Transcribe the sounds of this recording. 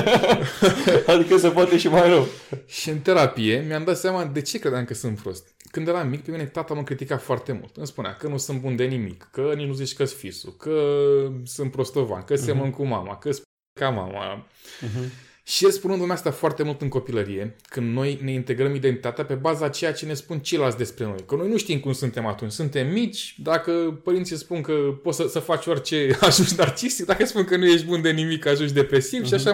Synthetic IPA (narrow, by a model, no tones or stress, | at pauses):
ad̪ikəs̬epoat̪eʃimajɾəwʃiɨnt̪e̞ɾapije̞miamd̪at̪seamad̪e̞t͡ʃe̞kɾe̞d̪amkəsɨnt̪pɾo̞̰st̪ | kɨnd̪eɾamik̚pemine̞t̪at̪amɨmkɾit̪ikat̪foart̪e̞mṵlt̪ɨnspunea̰kənusɨnbund̪e̞nimḭkːənit͡ʃnuzit͡ʃkəsfisṵkə | sɨnt̪pɾo̞st̪ova̰nkəsemənkuma̰ma̰kəspu | kama̰ma̰ | ʃielspunɨnd̪uneast̪afoart̪e̞mult̪ɨŋko̞piləɾije̞kɨnd̪no̞jne̞int̪e̞ɡɾəmid̪ent̪it̪at̪eape̞bazaːt͡ʃe̞jat͡ʃe̞ne̞spunt͡ʃejlaltsʲd̪espɾe̞no̞̰jkəno̞jnuʃt̪imkumsunt̪e̞mat̪unt͡ʃʲsunt̪e̞mːit͡ʃʲd̪akəpəɾint̪sʲispunkəpo̞t̪səsəfat͡ʃʲorʲt͡ʃe̞aʒunʃd̪art̪ist̪ik̚d̪akəspunkənuje̞ʃt̪bund̪e̞nimikaʒunʃ̬d̪e̞pɾe̞sivʃiaʃa